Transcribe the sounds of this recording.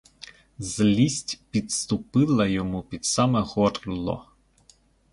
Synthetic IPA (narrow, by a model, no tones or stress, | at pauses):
zlʲisʲtʲpʲit̪st̪ʊpɪlˠɐjɔmupʲid̪sɑmɛhɔrlˠɔ̰